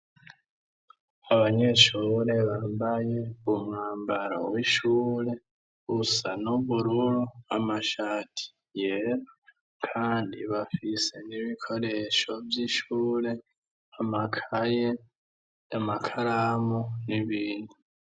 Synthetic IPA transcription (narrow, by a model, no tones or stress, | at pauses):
aβaɲe̞ʃuːɾe̞βaːmbaje̞umŋaːmbaɾawiʃuːɾe̞ | ɡusanuβuɾuɾuamaʃaːtʰi̥ | jeɾa | kʰaːndḭβafise̞niβikʰo̞ɾe̞ʃo̞vjiːʃuːɾe̞ | amakʰaje | jamakʰaɾamoniβiːnu